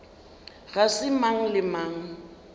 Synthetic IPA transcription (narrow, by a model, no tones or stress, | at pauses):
ɣasɪmaŋ̩lɪmaːŋ̩